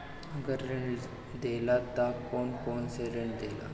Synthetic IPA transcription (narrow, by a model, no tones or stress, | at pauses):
ɡəɾəɳ | d̪elat̪akɔnkɔnseɾəɳd̪ela̰